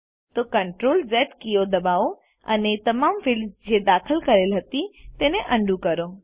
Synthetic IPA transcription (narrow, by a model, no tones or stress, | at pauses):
t̪okɐɳʈɾoːlzɛːʈkijod̪ɐbaːo | ɐ̰net̪ɐmaːmfɪlzd͡ʑed̪aːkʰəlkɐɾelɦɐt̪it̪ẽːnẽʔɐ̃ɳɖʱũkɐɾoː